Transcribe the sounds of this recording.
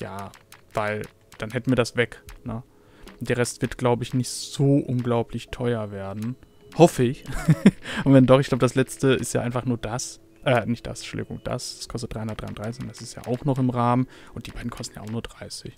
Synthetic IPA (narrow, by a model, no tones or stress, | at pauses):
ja̰ːv̥aɪl | d̥anhɛtn̩viːɐdasv̥ɛknə | d̥eːɐʁɛstv̥ɪɐtɡ̥laʊbəɪçnɪçtz̥oːʔʊnɡlaʊpʰlɪçtʰɔʏɐveːɐdn̩ | hɔfəɪç | ʔʊntvɛndɔχɪçɡlaʊbədaslɛt͡stəɪ̰stjaːʔaɪnfaχnuːɐdas | ʔɛːnɪçt̚d̥a̰sʃoʊldɪ̰ɡʊ̰ŋd̥a̰sd̥ḁskʰɔstət̚d̥ʁaɪhʊndɐtd̥ʁaɪnd̥ʁaɪsɪçʊnd̥asɪstja̰ːʔaʊxnɔχɪmʁaːmənʔʊnt̚d̥iːbaɪdn̩kʰɔstn̩ja̰ːʊxnuːɐd̥ʁaɪsɪç